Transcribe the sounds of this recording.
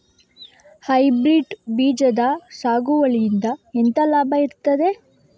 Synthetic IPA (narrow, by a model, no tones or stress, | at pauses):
hɐjbɾiɖbiːd͡ʒɐd̪ɐsaːɡuʋɐɭijind̪ɐent̪ɐlaːbʱɐiɾt̪ːɐd̪e